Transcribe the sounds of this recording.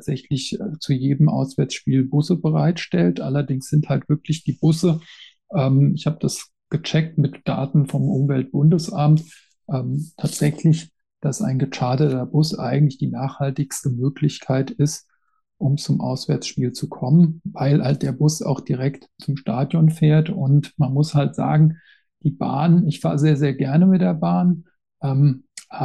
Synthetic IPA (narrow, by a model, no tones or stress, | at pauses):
atz̥ɛçlɪçt͡sujeːdəm̩ʔa̰ʊsv̥ɛɐt͡sʃpiːlbʊsəbəʁaɪtʃtɛltʔalɐdɪŋsz̥ɪnthaltv̥ɪɐklɪçd̥iːbʊsə | ʔɛːmɪçhaːbəd̥as | ɡ̥ət͡ʃɛk̚tmɪtd̥a̰ːtn̩fɔmʔʊmvɛlt̚b̥ʊndəsʔamt | ʔɛːmtʰaːtz̥ɛçlɪç | d̥asa̰ɪnɡət͡ʃaːdətɐbʊsʔa̰ɪɡŋ̩tlɪçd̥iːnaːχhaltɪçstəmøːklɪçkʰaɪtɪst | ʔʊmt͡sʊmʔa̰ʊsv̥ɛɐt͡sʃpiːlt͡sukʰɔmənvaɪlhalt̚d̥eːɐbʊsa̰ʊxd̥iʁɛktt͡sʊmʃtaːdjɔnfeːɐtʊntmanmʊshaltz̥a̰ːɡŋ̩ | d̥iːba̰ːnɪçfa̰ːɐzeːɐzeːɐɡɛɐnəmɪt̚d̥eːɐbaːn | ʔɛmh